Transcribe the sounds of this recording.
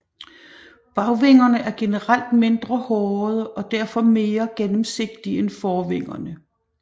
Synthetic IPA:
b̥ɑ̈ʊʋe̝ŋ̰ɐnəʔæɐɡ̥e̝nəʁal̰d̥me̝nd̥ʁɐhɒːðˠʔɒ̽d̥æɐ̰fɒ̽me̝ːɐɡ̥enəm̩se̝ɡ̥̚d̥ienfɒːʋe̝ŋ̰ɐnə

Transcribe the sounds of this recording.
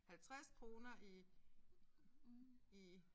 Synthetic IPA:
hælt͡sʰʁaskʰʁo̝ːnɐʔi | i

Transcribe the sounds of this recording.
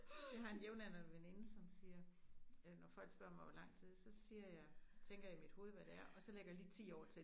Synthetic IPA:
jɑ̈ɪɦɑ̈e̝njeʊnænɐʋene̝nəsɒ̽msiːɐønɒfɒ̽l̰ɡ̥sb̥ɶɐ̰mɑ̈ɪʋɒlɑ̈ŋ̰t͡sʰið̞̰ˠsɒ̽siːɐjɑ̈ɪt͡sʰeŋ̰ɡ̥ɐjämid̥ho̝ːð̞̩ˠʋæd̥eæɐʔɒ̽sɒ̽leɡ̥ɐjaliːt͡sʰḭːɒ̰ːt͡sʰe̝

